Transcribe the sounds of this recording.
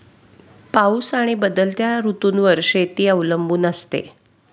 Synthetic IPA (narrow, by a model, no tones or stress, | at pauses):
pausaɽ̃ibəd̪əlt̪jaɾut̪uːnʋəɾʂet̪iːəʋləmbuːnəst̪ḛ